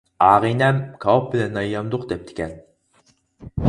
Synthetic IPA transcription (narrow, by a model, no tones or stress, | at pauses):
ɑːʁinɛmkʰɑop̚bɪlɛnːɑjːɑmd̪ʊqd̪ɛp̚t̪ʰɪ̥kʲɛn